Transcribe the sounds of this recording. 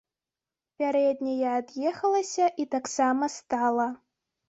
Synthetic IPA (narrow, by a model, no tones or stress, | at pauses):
pʲaɾɛd̪ʲnʲɐjɛːd̪jɛxɐlˠɐsʲɐʔit̪aksamɐst̪alˠɐ